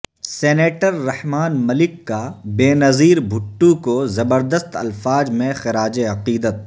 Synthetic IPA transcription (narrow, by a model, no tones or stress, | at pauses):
seːneːʈəɾːɐhmaːnmɐlɪkːabeːnɐziːɾbʱʊʈːukozɐbəɾd̪əst̪ɐ̰lfaːd͡ʒmẽxɪɾaːd͡ʒeɐqiːd̪ət̪̚